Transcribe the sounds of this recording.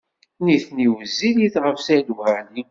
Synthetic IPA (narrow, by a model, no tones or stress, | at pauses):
niθniwəzːiliθʁəfsælæli